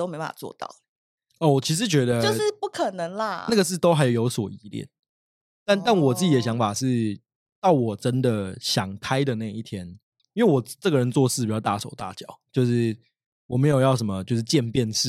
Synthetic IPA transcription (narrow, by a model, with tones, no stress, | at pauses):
t̪o˥ʊme˧˥ɪa̰˨˩t͡swɔ̰˥˧t̪ɑ̰˥˩ʊ | ɔ˥˩wɔ˨˩t͡ɕʰi˧˥ʂ̬ɻ̩˧˥˦t͡ɕɥɛ˧˥d̪ə˧o˥˧ʂ̩˥˧pu˥˩kʰə˨˩nə˧˥ŋlɐ˧na˥˩ɡə˩ʂ̬ɻ̩˥˩t̪o˥ʊxa˧˥ɪjo˨˩ʊjo˧˥ʊswɔ˨˩i˧˥˦ljɛ̰˥˩n | t̪a˥˨na˥˩nwɔ˨˩t͡sɹ̩˥˩t͡ɕi˨˩ə˦ɕjɑ˧˥ŋfa˨˩ʂɻ̩˥˩ | t̪ɑ˥˩ʊwɔ˨˩ʈ͡ʂə˦˥nd̪ə˨ɕjɑ˨˩ŋkʰa˥ɪd̪ə˨na˥˩ji˥˩t̪ʰjɛ˥n | i˥nwe˥˩ɪwɔ˨˩ʈ͡ʂɤ˥˩ɡə˩ɻə˧˦nt͡swɔ˥˧ʂɻ̩˥˩˨t͡ɕjʊt̪a˥˨˩ʂo˨˩ʊt̪a̰˥˨t͡ɕjɑ˨˩˦ʊt͡ɕjo˥˧ʊʂɻ̩˥˩ | wɔ˨˩me˧˥ɪjo˨˩ʊjɑ˥˩ʊʂ̬ə˧˥nmə˨t͡ɕjo˥˧ʊʂ̬ɻ̩˥˧t͡ɕjɛ˥˧npjɛ˥˧nʂɻ̩˥˨